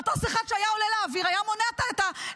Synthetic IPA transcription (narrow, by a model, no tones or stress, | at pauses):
t̪osiχaʃeajaoleleːviʁajamo̞neat̪aet̪a